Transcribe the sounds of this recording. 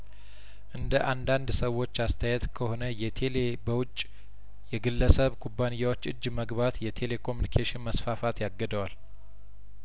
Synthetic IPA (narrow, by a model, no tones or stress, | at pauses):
ʔɨnd̪əʔand̪and̪səwːo̞t͡ʃːast̪ʰəjɛt̪kʰəho̞nəjɛelebəwʊt͡ʃʼː | jɛɡɨlːəsəβkʰubːanijːawo̞t͡ʃːʔɨd͡ʒːməɡβat̪jɛt̪ʰe̞le̞kʰo̞munikʰeʃɪnməsfafat̪jaɡːəd̪əwal